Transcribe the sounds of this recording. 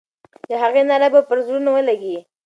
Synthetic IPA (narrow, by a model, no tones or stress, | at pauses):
jaɦaɣenalabapəɾzɾunawəlaɡi